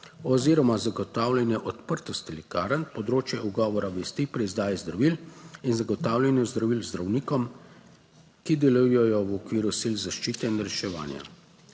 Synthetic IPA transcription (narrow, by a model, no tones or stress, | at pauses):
ɔziːɾɔmazaɡɔt̪aːwlʲɛnjɛʔɔt̪pəɾt̪ɔst̪ilɛkaːɾənpɔd̪ɾoːt͡ʃjɛuɡɔːʋɔɾaʋɛst̪ipɾɛzd̪aːjɛzd̪ɾaʋilinzaɡɔt̪aːwlʲɛnjɛzd̪ɾaʋilzd̪ɾawniːkɔm | kid̪ɛlujɔjɔwɔkʋiːɾusilzaʃt͡ʃiːt̪ɛinɾɛʃɛʋa̰ːnja̰